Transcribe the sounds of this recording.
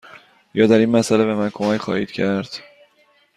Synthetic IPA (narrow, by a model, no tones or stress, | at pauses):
jɒːd̪æɾiːnmæsælebe̞mænkʰo̞mæcʰχɒ̰ːhḭːd̪̥cʰæɾd̪̥